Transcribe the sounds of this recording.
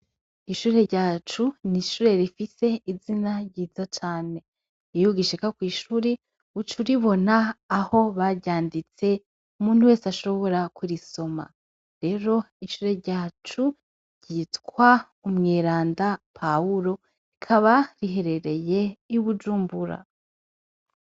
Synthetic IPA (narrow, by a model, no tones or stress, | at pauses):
iʃuːɾe̞ɾɟaːt͡ʃuniʃuːɾe̞ɾifise̞izinaɾɟiːzat͡ʃaːne̞ | ijuɡiʃikakwiːʃuːɾe | ut͡ʃuɾiβo̞naːho̞βaɾɟaːndit͡se̞ | umuːn̥huwe̞ːsaʃo̞βo̞ɾakuɾiso̞ma̰ | ɾe̞ːɾo̞ | iʃuːɾe̞ɾɟaːt͡ʃu | ɾɟ̥iːtkwa | umŋeːɾaːndapʰauɾo̞ | ikʰaβaɾiɦe̞ɾe̞ɾe̞je̞iβud͡ʒuːmbuɾa̰